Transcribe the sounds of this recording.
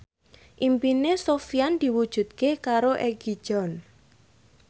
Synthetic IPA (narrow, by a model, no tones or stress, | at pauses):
ʔimpinesofiand̪̥i̤wud̥ʒ̥ṳt̪̚kekaɾoʔɛɡ̥i̥ʒ̥ɔn